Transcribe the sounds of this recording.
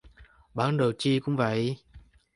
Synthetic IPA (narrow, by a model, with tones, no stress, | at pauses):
ɓaː˧˨˦nɗə˨˩wt͡ɕi˧kʊ̰˧˥ŋ͡mvə̰˧˨j